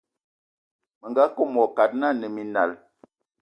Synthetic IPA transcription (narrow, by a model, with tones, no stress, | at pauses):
mə˨ŋɡa˦ko˦˨mɔ˨ka˨t̚na˦˨nə˨mi˨na̰˨l